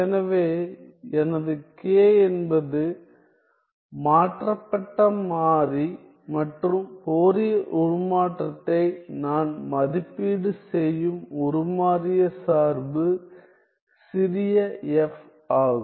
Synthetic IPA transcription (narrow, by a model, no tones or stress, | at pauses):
ɛnɐʋeː | ɛnɐðɯkeːɛnbɐðɯ | maːʈrɐpːɐʈːɐmaːɾi | mɐʈrɯmpoːɾɪjɐʔʊɻʊmaːʈrɐt̪ːɐɪnaːnmɐðɪpːiːɽɯsɛjɯmɔɾɯmaːɾɪjɐsaːɾbɯ | sɪɾɪjɐɛf | aːɣɯm